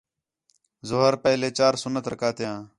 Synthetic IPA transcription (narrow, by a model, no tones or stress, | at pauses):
zʊɦəɾpəːleːt͡ʃaːɾsʊnət̪ɾəkaːt̪jãː